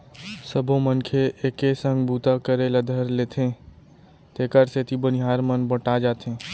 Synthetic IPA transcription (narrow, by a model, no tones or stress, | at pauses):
səbʱõmənkʰeʔekesə̃ŋɡbut̪akəɾelad̪ʱəɾleːt̪ʰẽ | t̪eːkəɾset̪ibəniɦaːɾmənbəʈad͡ʒaːt̪ẽ